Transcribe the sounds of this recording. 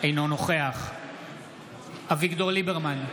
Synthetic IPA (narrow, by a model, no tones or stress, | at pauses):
ejnonoχeaχ | avikd̪oʁlibeʁman